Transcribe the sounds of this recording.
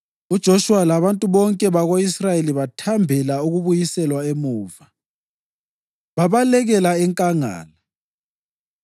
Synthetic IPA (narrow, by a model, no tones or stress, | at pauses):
ud̥ʒ̥ʱoʃuwalaβantʼuβɔŋkʼɛβaɣoisrajeliβatʰambʱɛlauɣuβujisɛlwaemuːva | βaβalɛɣɛlaɛŋkʼaŋa̰ːla